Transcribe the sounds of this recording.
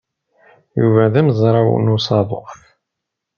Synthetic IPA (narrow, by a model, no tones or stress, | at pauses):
jṵvæðæmzˤɾˤɑw̰nusɑðˤʊ̰qθ